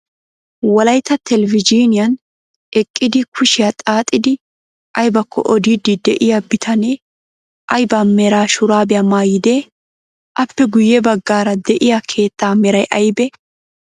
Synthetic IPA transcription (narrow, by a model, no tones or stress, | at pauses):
wɐlɐjt̪ːɐt̪ɛlɛvɪd͡ʒiːnɪjɐn | ɛkʼːɪd̪ɪkʰʊʃɪjɐt̪ʼaːt̪ʼːɪd̪ɪ | ʔɐjbɐkʰːɔ̰ʔɔd̪iːd̪ːɪd̪ɛʔɪjabɪt̪ʰɐneː | ʔɐjbamɛɾaːʃʊɾaːbɪjɐmaːjɪd̪ɛ | ʔɐpːɛɡʊjːɛbɐɡːaːɾɐd̪ɛʔɪjakʰe̞ːt̪ːaːmɛɾɐjʔɐjbɛ